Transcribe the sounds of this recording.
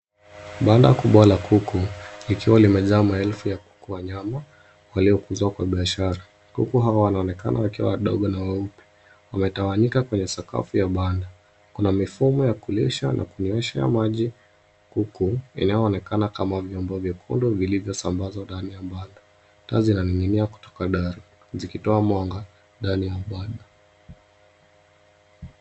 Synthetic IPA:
ɓandakuɓalakʰukuikiwalimɛzaːmaɛlfujaku̥kuwaɲama | waliɔkuzakwaɓiaʃaɾa | kṵkuɦawawanaɔnɛka̰nʔawakiwa̰waɗɔ̰ɠɔnawaupɛ̥ | wamɛtawaɲikakwɛɲɛsaka̰fujaɓanda | kunamifumɔjakulɛʃa̰nʔa̰kuniwɛʃaja̰maʄi | kukuḭnajɔːnɛkanakamavjɔmbɔvjakʰɔndɔvilivjɔsambazwandanijaɓandḁ | tazinaniŋɡiniaku̥tɔ̥kaɗaɾu | zikitɔamwaŋɡa | ndanijaɓaɗa

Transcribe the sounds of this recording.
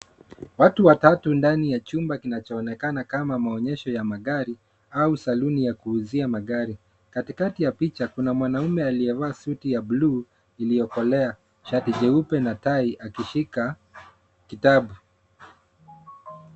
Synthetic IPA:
watuwatatundanijat͡ʃumbakinat͡ʃɔːnɛkanakamamaɔɲɛʃɔjamaɠaɾi | ausalunijakuːziamaɠaɾi | katikatijapit͡ʃakunamwanaumɛaliɛvaːsutijabluː | ilijɔkɔlɛa | ʃatiʄɛupɛnataiʔakiʃika | kitaɓu

